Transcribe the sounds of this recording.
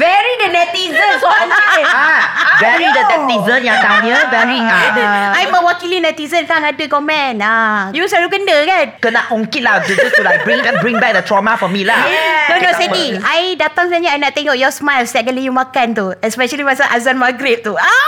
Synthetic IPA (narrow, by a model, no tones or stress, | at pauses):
vɛɹidənɛt̪izə̃nsɔniavɛɹidət̪ɛ̃mtizənjãŋt̪aəvɛɹiaajmawakilinɛt̪izənkaŋadəɡɔmɛ̃najusalukəndəkankənakuŋkit̚lahd͡ʒud͡ʒəst̪ulabɹĩŋkabɾĩŋbɛk̚d̪ət̪ɹɔmafɔmilanonosɛiʔajdat̪ãŋsɛɲəajnaʔt̪eŋawjɔsmajlstɛt̚ɡalijumakant̪uɛspɛʃəliwasaʔazanmaɡɾep̚t̪ua